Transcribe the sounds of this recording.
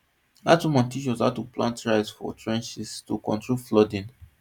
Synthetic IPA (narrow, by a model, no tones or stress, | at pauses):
datwimãntit͡ʃwɔzatuplãntɹaɪsfɔ̰tʰɹɛ̃nt͡ʃistukɔ̃ntɹolflɔdĩn